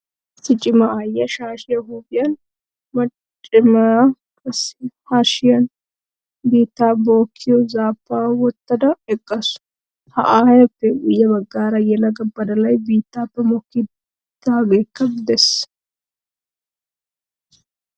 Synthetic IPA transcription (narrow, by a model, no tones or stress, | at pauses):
sɪt͡ʃʼɪmɐʔaːjːɐʃaːʃɪjɐɦuːbɪjɐn | mɐt͡ʃʼ | ɪmɐ | kʼɐshaːʃɪjɐn | biːt̪ːaːbo̞ːkʰːɪjɔzaːpːaːwɔt̪ːɐd̪ɐɛkʼːɐsʊ̥ | hɐ̰ʔaːjɐpːɛɡʊjːɐbɐɡːaːɾɐjɛlɐɡɐbːɐd̪ɐlɐjbiːt̪ːaːpːɛmɔkːɪ | t̪ːaːɡeːkːɐbd̪ɛs